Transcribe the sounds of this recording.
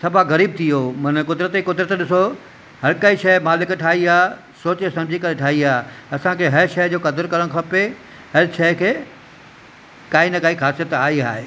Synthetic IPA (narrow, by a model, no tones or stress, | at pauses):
sɐbʱaɣɐɾiːb̚t̪ʰijoːmɐnəkʊd̪ɾət̪ekʊd̪ɾət̪ɗɪso | ɦɐɾkɐiʃɐmaːlɪkʈʰaːɦiaː | soːt͡ɕesɐ̃md͡ʑʱikɐɾeʈʰaːɦiaːɐsãkʰeːɦɐɾʃɐɦd͡ʑoːkɐd̪əɾkɐɾəɽ̃kʰɐpe | ɦɐɾʃɐɦkʰeː | kaːinɐkaːixaːsijət̪aːɦiaːɦeː